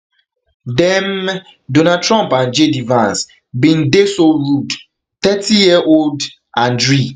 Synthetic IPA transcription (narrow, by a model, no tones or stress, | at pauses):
dɛ̃m | dõnad̚tʰɹɔ̃mpãnd͡ʒedivãns | bĩndesoɹud | t̪ɛtʰijiəʔold | ʔãndɹi